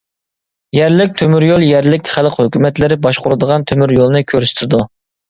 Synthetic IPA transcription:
jɛɾlɪk̚ʲt̪ʰømyɾjolˠjɛɾlɪkʲχælˠqhøkʲymɛt̪lɪɾɪbɑʃqʰʊɾɨd̪əʁɑnt̪ʰømyɾjolˠnɨkʲʰøɾsɪ̥t̪ʰɪd̪u

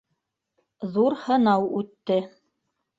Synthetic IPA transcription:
ðuɾhɤ̆nɑwʉt̪ːɘ

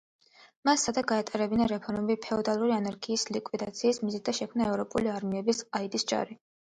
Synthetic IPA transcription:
masːad̪aɡaɛt̪ʼɛɾɛbinaɾɛpʰɔɾmɛbipʰɛɔd̪alˠuɾianaɾɡʰiːslikʼwid̪at̪sʰiːsmizid̪̚d̪aʃɛkʰmnaɛvɾɔpʼuliaɾmiɛbisaid̪isd͡ʒa̰ɾi

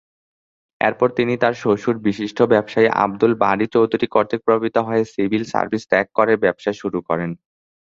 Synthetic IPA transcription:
ɛ̰ɾpɔɾt̪init̪aɾʃoʃuɾbiʃiʃʈʰobɛbʃajʔa̰b̚d̪ulbaɾit͡ɕowd̪ʱuɾikɔɾt̪ʰek̚pɾobʱabit̪oɦɔesibʱilsa̰ɾbʱisʈɛkːɔɾeɾbɛbʃaʃuɾukɔɾen

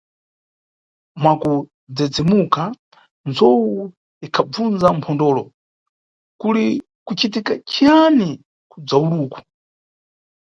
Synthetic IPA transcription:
mwaku | d͡zɛd͡zɛmuka | nd͡zɔwu | ikʰab͡vund͡zampʰɔndɔːlɔ | kuli | kut͡ʃit̬ikat͡ʃiani | kud͡zauɗuːku̥

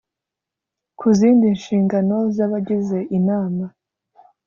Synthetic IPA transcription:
kʰuziːndinʃiːŋɡano̞zaβaɟize̞ʔinaːma

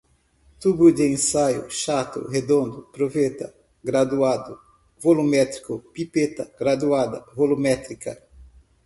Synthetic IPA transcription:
t̪ubʊd̪ɪẽsajʊ̰ʃat̪ʊ̰hed̪õnd̪ʊpɾovet̪ɐ | ɡɾad̪uad̪ʊ | volumɛt̪ɾi̥kʊpipet̪ɐɡɾad̪uad̪ɐ̰volumɛt̪ɾikɐ

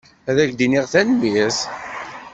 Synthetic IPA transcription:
æðæçd̪iniʁθænmis

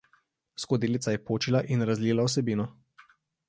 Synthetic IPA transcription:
skod̪iːlit̪sajɛpoːt͡ʃilaʔinɾazliːlaɔs̬ɛbiːnɔ

